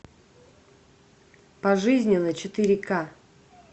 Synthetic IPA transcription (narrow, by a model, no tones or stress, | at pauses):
pɐʐɨzʲnʲɪnːət͡ɕɪt̪ɨɾʲɪka